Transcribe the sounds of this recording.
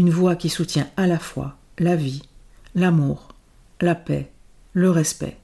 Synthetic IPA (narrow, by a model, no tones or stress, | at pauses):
ynvwakʲisut̪jɛ̃alafwa̰ | lavi | lamuːʁ | lapɛ̰ | ləʁɛspɛ̰